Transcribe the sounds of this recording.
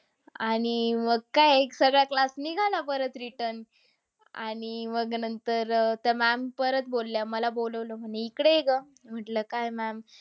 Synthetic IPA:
aɽ̃iməɡ̚kajeksəɡɭjaklasniɡʱalapəɾət̪ɾiʈəɾn | a̰ɽ̃iməɡnənt̪əɾt̪əmæmpəɾət̪̚bolːjaməlaboləʋləm̤əɳeikɽeeɡə | m̤əʈləkajmæm

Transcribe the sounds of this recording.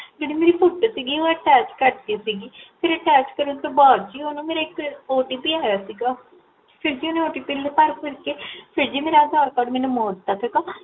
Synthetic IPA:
d͡ʒeːɽiːmeːɾiːpʰʊʈːsiːɡiːoːəʈɛːt͡ʃkəɾd̪iːsiːɡiːpʰɪɾəʈɛːt͡ʃkəɾənt̪oːbaːɾd͡ʒiːoːnũːmeːɾaːɪkoːʈiːp̪iaːjaːsiːɡaː | pʰɪɾd͡ʒiːoneoːʈiːpɪlepəɾkʊɾkeːpʰɪɾd͡ʒiːmeːɾad̪ʱaːɾkaːɖmɛːnũːmoːd̪t̪aːt̪ʰəkaː

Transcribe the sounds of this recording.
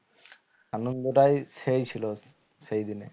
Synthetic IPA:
anond̪oʈajsejt͡ɕʰilo | sejd̪ine

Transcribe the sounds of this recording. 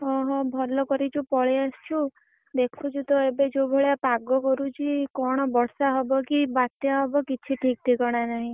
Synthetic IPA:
ɔɦɔ̃bʱɔɾlɔkɔɾit͡ʃʰupɔɭiasu | d̪ekʰut͡ʃʰut̪ɔebed͡ʒobʱɔɭjapaɡɔkɔɾut͡ʃʰikɔɽ̃ɔbɔɽsaɦɔbɔkibat̪jaɦɔbɔkit͡ʃʰiʈʰik̚ʈ̪ʰikɔɽ̃anaɦĩ

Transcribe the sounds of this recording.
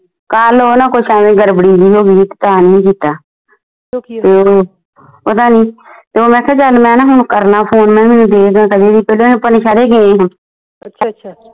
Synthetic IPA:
kaːloːnãːkoːiʃaːʋẽːɡəɾbəɽiːbiːɦoːɡiːt̪e̥t̪aːnĩːkiːt̪aː | t̪eːoː | pət̪aːniːt̪eːoːmɛ̃ːkʰət͡ʃəlmɛ̃ːnãːɦʊnkəɾnaːpʰoːnmɛ̃ːmɛːnũːd̪eːkʰɡ̪ãːkəd̪eːd̪iːpeːloːpəneʃaːɾeːɡeːẽːɦə̃ː

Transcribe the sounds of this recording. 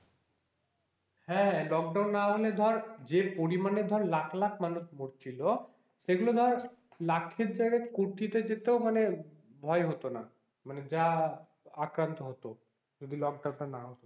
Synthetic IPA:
hɛ̃lɔk̚ɖawnːaɦoled̪ʱɔɾd͡ʑepoɾimaned̪ʱɔɾlakʰlakʰmanuʃmoɾt͡ɕʰilo | ʃeɡulod̪ʱɔɾlakʰːeɾd͡ʑaɽekuɾʈ̪it̪ed͡ʑet̪eomane | bʱɔeɦot̪ona | maned͡ʑa | akɾant̪oɦot̪o | d͡ʒod̪ʱilɔk̚ɖawnʈanːaɦot̪o

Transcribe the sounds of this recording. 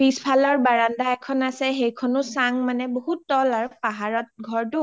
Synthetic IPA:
bispʰalɔɹbaɹandaɛkʰɔnasɛɦejkʰɔnʊsaŋmanɛboɦutːɔlaɹpaɦaɹɔt̚ɡʱɔɹtʊ

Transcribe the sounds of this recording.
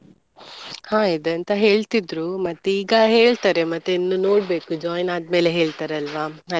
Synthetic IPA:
hãːid̪ɐnt̪ɐɦe̞ːɭt̪id̪ɾuːmɐt̪ːuiːɡɐɦe̞ːɭt̪aːɾemɐt̪ːuinːuːnoːɽbe̞ːkud͡ʒɔːjnaːd̪me̞ːleɦe̞ːɭt̪aːɾeɐlʋaːɐ

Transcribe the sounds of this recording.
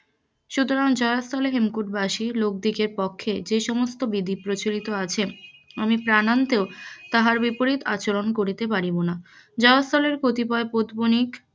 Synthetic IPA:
ʃut̪oɾaŋd͡ʑɔeast̪ʰɔleɦemkuʈbaʃilok̚d̪ikeɾpɔkʰːed͡ʑeʃɔmost̪obid̪ʱipɾot͡ɕolit̪oat͡ɕʰeamipɾanant̪eot̪aɦaɾbipoɾit̪a̰t͡ɕolonkoɾit̪epaɾibona | d͡ʑɔɾast̪ʰɔleɾkot̪ipɔepod̪bonik

